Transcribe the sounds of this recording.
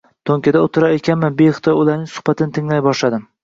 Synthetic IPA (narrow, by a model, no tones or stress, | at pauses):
t̪ʰoŋʲkʲʰad̪aot̪ʰɪɾaɾekʲanmɪbeχt̪ʰɒjʊlaɾnɪŋsʊ̥hbat̪ʰɪnɪt̪ʰɪŋlajbɒʃlad̪ɪm